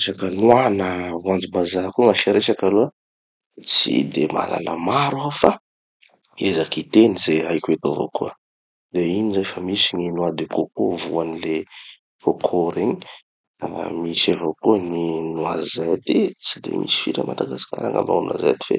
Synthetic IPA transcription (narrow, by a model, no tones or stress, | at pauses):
sakənuanəvuand͡zibazakuŋaʃaɾeʃakaluə | t͡sḭd̪ema̰lʔa̰lə̰maɾuafa | ezakit̪enizeajkuet̪ovo̰kuə | d̪einizajfamisiɲinuad̪ekokuvuanile | fokʰoɾeɲi | misevokuəninuazajt̪it͡sid̪ḛmʔḭsi̥fiɾə̰mad̪aɡasi̥ka̰ɾa̰ŋa̰ma̰ŋna̰za̰jt̪i̥fḛ